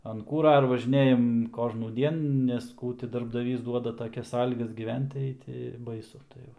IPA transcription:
ɐn ˈkuːrɐ ɪr ʋɐʒʲɪˈnʲeːjɛm ˌkoːʒnuːˈdʲiɛn nʲɛs ˈkuː tʲɪ dɐrbdɐˈʋʲiːs ˈduɔdɐ tɐˈkʲɛs ˈsɑːlʲiːɡɐs ɡʲiːˈʋʲɛnt tɐɪ tʲɪ ˈbɐɪsʊ tɐɪ ˈʋɐ

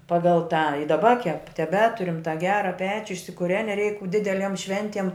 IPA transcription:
ˈpɑːɡɐlˠ tɑː ɪ dɐˈbɐ kʲɛp tʲɛˈbʲæːtʊrʲɪm tɑː ˈɡʲæːrɐ ˈpʲæːt͡ʃʲʊ ɪʃʲsʲɪkʊˈrʲæːnʲɪ rʲɛɪk ˈdʲɪdʲɛlʲiɛm ˈʃʲʋʲɛnʲtʲiɛm

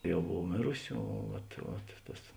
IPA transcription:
ˈjɛʊ ˈboːw ˈmʲeːrʊsʲɪ oː ˈʋɐt ʋɐt ˈtɐs

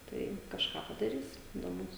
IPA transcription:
ˈtɐɪ kɐʃˈkɑː pɐdɐˈrʲiːs dʲɛlˠ ˈmuːs

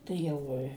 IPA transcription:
tɐɪ ˈjɛʊ ɪ

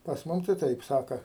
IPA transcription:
pɐs ˈmʊm tɐɪ ˈtɐɪp ˈsɑːkɐ

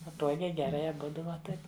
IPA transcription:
pɐˈtuɔɡʲɛɪ ɡʲɛˈrɐɪ ɐˈbʊdʊ ʋɐ ˈtɐɪp

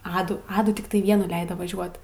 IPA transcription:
ˈɑːduː ˈɑːduː tʲɪkˈtɐɪ ˈʋʲiɛnuː ˈlʲɛɪdoː ʋɐˈʒʲuɔt

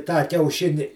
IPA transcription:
tɑː kʲɛʊˈʃʲɪnʲɪ

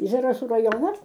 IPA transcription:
zɐrɐˈsuː rɐˈjoːnɐs

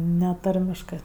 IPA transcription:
ˈnʲɛ ˈtɐrʲmʲɪʃkɜ

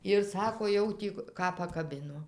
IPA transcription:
ɪr ˈsɑːkoː ˈjɛʊ tʲiː ˈkɑː pɐkɐˈbʲɪnoː

